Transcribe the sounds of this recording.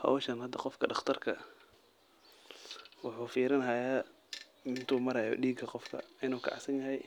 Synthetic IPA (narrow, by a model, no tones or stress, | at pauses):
hɐ̰wʃɐnhɐd̪ːɐqɔfkʰɐɖɑχt̪ʰɐrkʰɐ | wɑħuːfiːɾɐnɦajaː | ɪnt̪ʰuːmɐɾɐjɔ̰ɖiːɡɐqɔfkʰɐ̰ɪnuːkʰɑ̰ʕsɐnjɐɦɛj